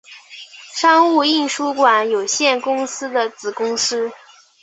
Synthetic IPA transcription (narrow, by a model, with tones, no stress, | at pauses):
ʂɑ˥ŋu˥˧i˥˩nʂu˥kwa˨˩˦njo˨˩ʊɕjɛ˥˩nkʊ˥ŋsɹ̩˥d̪ə˨t͡sɹ̩˨˩kʊ˥ŋsɹ̩˥